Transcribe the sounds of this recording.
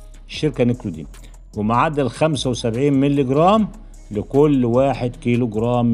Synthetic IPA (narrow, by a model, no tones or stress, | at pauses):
eʃːeɾkænekɾud̪ḭː | wɪmaʕad̪ælxæmsæwesæbʕiːnmelːiɡɾˤɑːm | lɪkʊlːwaːħed̪kiːloɡɾˤɑːm